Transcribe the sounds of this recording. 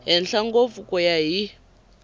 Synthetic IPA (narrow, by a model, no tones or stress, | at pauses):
ɦɛnɬaŋɡofukɔjaɦi